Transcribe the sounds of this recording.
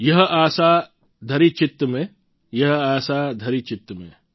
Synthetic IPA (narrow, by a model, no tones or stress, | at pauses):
jɐɦaːsaː | d̪ʱɐɾit͡ʃɪt̪ːəmẽ | jɐɦaːsaːd̪ʱɐɾit͡ʃɪt̪ːəmḛ̃